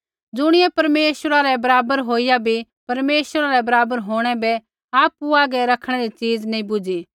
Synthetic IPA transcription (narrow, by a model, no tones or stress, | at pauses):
d͡zʊɽ̃ɪjɛpɐɾmeːʃwəɾaɾɛbɐɾaːbəɾɦoːijabʱi | pɐɾmeːʃwəɾaɾɛbɐɾaːbəɾɦoːɽ̃ɛbɛ | aːpuaːɡɛɾɐkʰɽ̃ɛɾit͡ʃiːd͡znɐĩbʊd͡ʒi